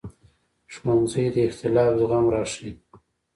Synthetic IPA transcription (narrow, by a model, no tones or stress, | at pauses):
ʂmonzəjd̪əɪxt̪ɪlɑːfzɣamɾɑːʂi